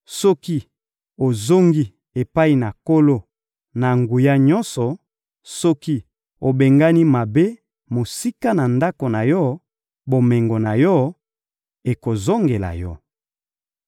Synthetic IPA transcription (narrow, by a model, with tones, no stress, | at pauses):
sɔ˦ki˦ | o˨zo˦ŋɡi˦ | e˨pa˦i˨na˨ko˦lo˦ | na˨ŋɡu˨ja˦ɲɔ˦nsɔ˨ | sɔ˦ki˦ | o˨be˨ŋɡa˦ni˦ma˨be˦ | mo˨si˦ka˦na˨nda˦ko˨na˨jɔ˦ | bo˨me˨ŋɡo˨na˨jɔ˦ | e˨ko˨zo˦ŋɡe˨la̰˨jɔ˦